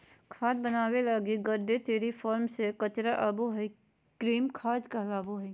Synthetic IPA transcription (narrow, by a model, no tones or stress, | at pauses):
kʰaːd̪bənaːwelaːɡiɡəɾɖet̪eːɾifʰɔːɾmsekɐt͡ʃɾaʔaːboɦi | kɾiːmkʰaːd̪kɐɦlaːboɦɛi